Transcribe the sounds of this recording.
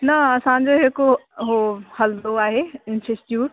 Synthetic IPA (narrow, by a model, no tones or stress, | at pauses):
nɐɐsãːɲ̆d͡ʑoːɦekoɦohɐld̪oaːɦeɪnsesʈjuːʈ